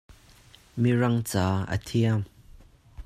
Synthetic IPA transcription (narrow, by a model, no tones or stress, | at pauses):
mirɐŋt͡saːʔə̰t̪ʰiəm